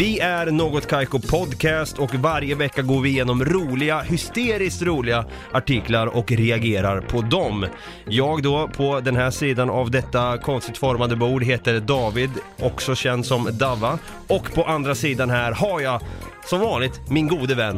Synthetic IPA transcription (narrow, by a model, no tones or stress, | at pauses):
vɪæɾnoːɡɔt̪kʰajkʊpʰɔd̪kʰɛːst̪ɔkvaɾjəvɛkːaɡoːɾvɪjeːnɔmɾuːlɪɡahʏst̪eːɾɪskt̪ɾuːlɪɡa | ʔaʈɪklaɾɔkɾɛaɡeːɾaɾpʰɔd̪ɔm | jɑːɡd̪ɔpʰɔd̪ɛnɦæːʂiːd̪anavd̪ɛt̪ːakʰɔnst̪ɪk̚t̪fɔɾmand̪əbuːɖɦeːt̪əɾɖɑːvɪd̪ʔɔksɔɕɛnd̪sɔmd̪avːa | ɔkːpʰɔʔand̪ɾasiːd̪anɦæːɾɦaɾja | sɔmvɑːnlɪt̪mɪnɡuːd̪əvɛnː